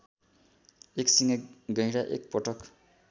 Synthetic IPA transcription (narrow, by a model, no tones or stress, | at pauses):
eksiŋʌɡʌjɾaʔḛk̚pʌʈʌk